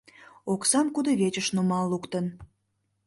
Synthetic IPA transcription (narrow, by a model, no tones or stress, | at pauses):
oksɑmkud̪oβet͡ɕəʃnumɑlːukt̪ən